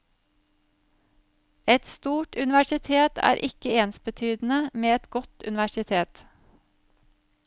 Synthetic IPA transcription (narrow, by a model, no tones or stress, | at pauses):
ɛt̪st̪uːʈʉnɪʋæʃɪt̪ʰeːt̪ʰæ̰ːɾʔɪkəeːnsbət̪ʰyːd̪n̩əmeːɛt̪ɡɔt̪ʉ̰nɪʋæʃɪt̪ʰeːt̪